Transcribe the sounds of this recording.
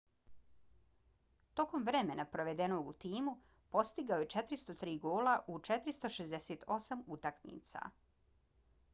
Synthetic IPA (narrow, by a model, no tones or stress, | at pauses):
t̪o̞ko̞mʋɾeme̞napɾo̞ʋe̞d̪e̞no̞ːɡut̪iːmu | po̞st̪iɡaojet͡ʃet̪ɾist̪o̞t̪ɾiːɡoːlaʔut͡ʃe̞t̪ɾist̪oʃezd̪eseːt̪o̞samut̪akmḭːt̪sa̰